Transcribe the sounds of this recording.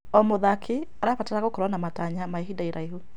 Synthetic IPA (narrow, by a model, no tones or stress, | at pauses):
ɔmoðakʰi | aɾafataɾaɣokɔɾwanamataɲamaeɦidaiɾaiɦu